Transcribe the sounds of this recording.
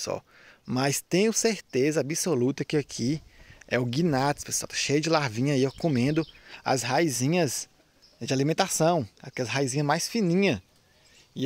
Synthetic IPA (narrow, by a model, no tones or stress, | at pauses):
sɔ̰ | mɐst̪ẽjʊseɾt̪ezɐabisolut̪ɐkɪakʰiɛʊɡinat̪ɪspesa̰wt̪ɐ̥ʃejɐd͡ʒɪlaɾvĩɲɐiekõmẽnd̪ʊɐ̰zhajzĩɲɐz | d͡ʒɪalimẽnt̪asɐ̃w̃a̰kɛlɐsɦajzĩɲɐmajsfĩnĩɲɐ | ɪ